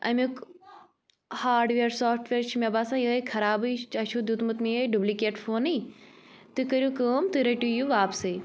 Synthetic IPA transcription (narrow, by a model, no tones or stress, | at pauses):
ɐ̰mʲuk | haːɾɖʋeːɾsoːfʈʰʋeːɾt͡ʃʰimʲebaːsãːjəːkʰɐɾaːbɨt͡ʃɐʃʰud̪jut̪mɨt̪miəɖublikeːʈfʰoːnɨ | t̪ɨkɐɾjukəːmt̪ɨɾɐʈʲujuʋaːpsɨ